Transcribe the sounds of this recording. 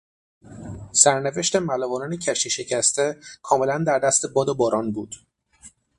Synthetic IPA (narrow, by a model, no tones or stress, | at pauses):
sæɾneve̞ʃt̪e̞mælɒːvɒːnɒːnecʰæʃt̪iʃe̞cʰæst̪e̞kʰɒːme̞lænd̪æɾd̪æst̪e̞bɒːd̪obɒːɾɒːnbuːd̪̥